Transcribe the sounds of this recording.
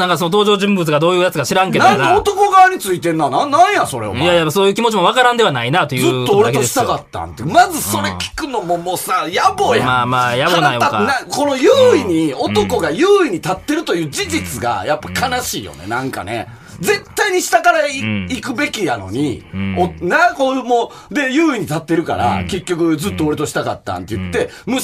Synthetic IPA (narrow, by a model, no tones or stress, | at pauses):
nãŋkasonot̪oːʑo̞ːʑɨ̃mbɯt͡sɨɡad̪o̞ːjɯ̟ːjat͡sɨkaɕiɾãŋk̬e̞d̪ãŋkaot̪o̞ko̞ɡaβaɲ̟it͡sɨit̪e̞nːanãnnːãɰ̃jaso̞ɾḛo̰jajapːaso̞ːjɯ̟ːkʲimo̞t͡ɕimoβ̞akaɾãnd̪e̞βanainat̪o̞jɯɨt̪ːooɾekt̪oɕi̥t̪akat̪ːã̰nt̪emazɨso̞ɾe̞kʲi̥kɯ̟no̞mo̞mo̞ːsajabo̞ːjamaːmaːjaboainãko̞no̞jɯːiɲ̟io̞t̪o̞ko̞ɡajɯːiɲ̟it̪at̪ːe̞ɾɯ̟t̪o̞jɯ̟ːd͡ʑiʑit͡sɨɡa̰japːakanaɕiːjo̞̰ne̞̰nãŋka̰ne̞̰ | d͡ze̞t̪ːaiɲ̟iɕi̥t̪akaɾaiikɯ̟be̞kʲijano̞̰ɲ̟ḭonakomoː | d̪e̞jɯːiɲ̟it̪at̪ːe̞ɾɯ̟ka̰ɾa̰ke̞kʲːo̞kɯ̟zɨt̪ːoo̞ɾe̞t̪o̞ɕi̥t̪aka̰t̪ːã̰nt̪ːe̞jɯ̟t̪ːe̞ | mɯ̟